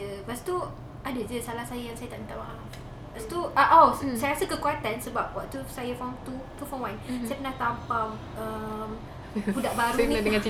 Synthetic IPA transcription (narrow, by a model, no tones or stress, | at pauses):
əbaʔst̪u | adad͡ʒəsalahsajajaŋsajat̪aʔənt̪awaa | paʔst̪uʔaʔɔsajɾasəkəkuat̪ansəbap̚waʔt̪usajəfɔt̪ukəfɔmwãnsajapənahk̪ampam | əm | budaʔbaɾuniadəŋãnt͡ʃi